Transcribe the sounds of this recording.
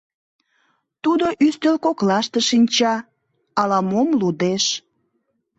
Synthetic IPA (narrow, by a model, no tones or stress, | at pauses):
t̪ud̪oʔyst̪ølkoklɑʃt̪eʃinʲt͡ɕɑ | ɑlɑmomlud̪eʃ